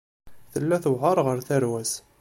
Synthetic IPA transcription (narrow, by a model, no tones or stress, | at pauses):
θəlːæθəʁɑɾˤʁəɾθæɾwæs